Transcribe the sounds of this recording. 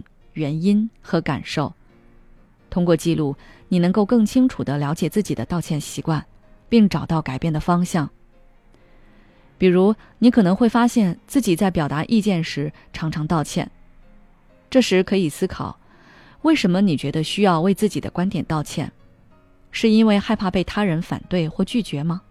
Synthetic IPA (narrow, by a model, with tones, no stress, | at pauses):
ɥɛ˧˥ni˥nxɤ˧˥ka̰˨˩nʂo˥˩ʊ | t̪ʰʊ˥ŋkwɔ˥˧t͡ɕi˥˧lu˥˩ni˨˩nɤ˧˥ŋko˥˧ʊkɤ˥˩ŋt͡ɕʰi˥ŋʈ͡ʂʰu˨˩d̪ə˦ljɑ˧˥ʊ̯t͡ɕjɛ˨˩t͡sɹ̩˥˩t͡ɕi˨˩d̪ə˦t̪ɑ˥˧ʊt͡ɕʰjɛ˥˩nɕi˧˥kwa˥˩n | pi˥˩ŋʈ͡ʂɑ˨˩ʊt̪ɑ˥˩ʊka˨˩ɪpjnd̪ə˩fɑ˥ŋɕjɑ˥˩ŋ | pi˨˩ɻu˧˥ | ni˧˥kʰɤ˨˩nɤ˧˥ŋxwe˥˩ɪfa˥ɕjɛ˥˧nt͡sɹ̩˥˩t͡ɕi˨˩t͡sa˥˩ɪpjɑ˨˩ʊt̪a˧˥ʔi˥˧t͡ɕjɛ˥˩nʂɻ̩˧˥ | ʈ͡ʂʰɑ˧˥ŋʈ͡ʂʰɑ˧˥ŋt̪ɑ˥˧ʊt͡ɕʰjɛ̰˥˩n | ʈ͡ʂɤ˥˩ʂɻ̩˧˥kʰɤ˧˥i˨˩sɹ̩˥kʰɑ̰˨˩˦ʊ | we˥˩ɪʂə˧˥nmə˧ni˨˩t͡ɕɥɛ˧˥d̪ə˧ɕy˥jɑ˥˧ʊwe˥˧ɪt͡sɹ̩˥˩t͡ɕi˨˩d̪ə̰˦kwa˥nt̪jɛ˨˩nt̪ɑ˥˧ʊt͡ɕʰjɛ̰˥˩n | ʂɻ̩˥˩i˥nwe˥˧ɪxa˥˧ɪpʰa˥˧pe˥˩ɪt̪ʰa˥ɻə˧˥nfa̰˨˩nt̪we˥˩ɪxwɔ˥˧t͡ɕy˥˩t͡ɕɥɛ˧˥mɐ˧